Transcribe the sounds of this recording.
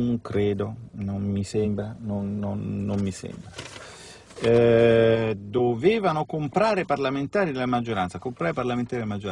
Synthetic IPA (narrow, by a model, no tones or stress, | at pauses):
ŋkɾeːd̪onommisɛmbɾanonːonːomːisɛ̰mbɾa | d̪oveːvanokompɾaːɾeparlament̪aːɾid̪elamad͡ʒːoɾansakompɾaːɾeparlament̪aɾd̪lmad͡ʒːoɾa